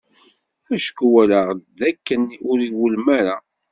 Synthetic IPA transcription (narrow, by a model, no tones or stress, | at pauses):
æʃə̥kwæləʁðækːənʊɾiwəlmæɾa